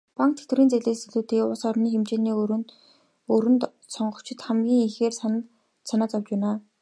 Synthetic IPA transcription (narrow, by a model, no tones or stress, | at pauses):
paŋk̚t̪ʰe̥t̪wɘɾiːnt͡seɮeːsɵɮuːt̪ʰeːkʊɮsɔrniːxemt͡ɕeːnĭːn | ɵɾɘ̆nt̪ | sɔɴɢɞ̆kt͡ɕʰɪ̆t̪χæmɡʲiːŋixeːr | sanaːt͡sɔwt͡ɕpæːnaː